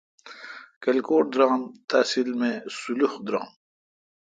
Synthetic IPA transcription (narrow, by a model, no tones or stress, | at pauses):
kɐlkoːʈ̚d̪ɾaːmt̪aːsilmẽsuluxd̪ɾa̰ːm